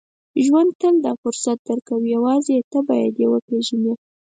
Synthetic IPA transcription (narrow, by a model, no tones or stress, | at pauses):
ʒwand̪̚t̪əld̪ɑfʊɾsat̪̚d̪əɾkawijawɑzet̪əbɑja̰d̪jewəpɾeʒane